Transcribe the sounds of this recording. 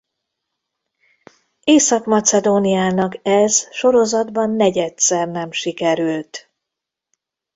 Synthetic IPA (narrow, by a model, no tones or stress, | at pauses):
eːsɒkmɒt̪sɛd̪oːniaːnɒkɛzʃo̞ɾo̞zɒd̪bɒnːɛɟɛt̪sɛrnɛmʃikɛɾylt̪